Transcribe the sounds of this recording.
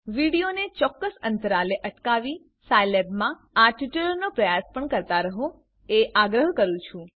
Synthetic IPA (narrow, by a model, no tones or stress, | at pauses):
ʋiɽijonet͡ʃɔkːəsənt̪əɾaleʔəʈkaʋi | sajlebmã | aʈiʈəlnopɾəjaspəɳkəɾt̪aɾəɦo | eʔaɡɾəɦkəɾũt͡ʃʰũ